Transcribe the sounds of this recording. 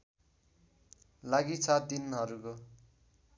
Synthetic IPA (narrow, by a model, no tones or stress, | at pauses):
laɡit͡sʰʌd̪inɦʌɾuko